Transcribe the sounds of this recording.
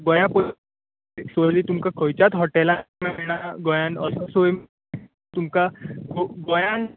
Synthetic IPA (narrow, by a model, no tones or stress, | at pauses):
ɡɔjãpə | sojlit̪umkakʰəjt͡ɕat̪ɦɔʈɛlamɛ̃ɛɽ̃aɡɔjãnəsəsojm | t̪umkaɡoɡɔjãn